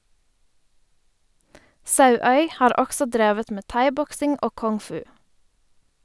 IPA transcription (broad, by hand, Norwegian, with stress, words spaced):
ˈsɑʉœʏ ˈhɑːɾ ˈɔɡsɔ ˈdɾeːʋət ˈmeː ˈtɑɪˌbɔksɪŋ ˈoː ˌkɔŋˈfʉː